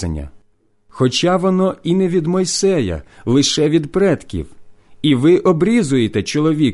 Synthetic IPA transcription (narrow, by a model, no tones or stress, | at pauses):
ɐ̰nʲːɐ̰ | xɔt͡ʃɑʋɔnɔinɛʋʲid̪mɔjsɛjɐ̰lˠɪʃɛʋʲid̪pɾɛt̪kʲḭwiʋɪʔɔbɾʲizʊjet̪ɛt͡ʃɔlˠɔʋʲi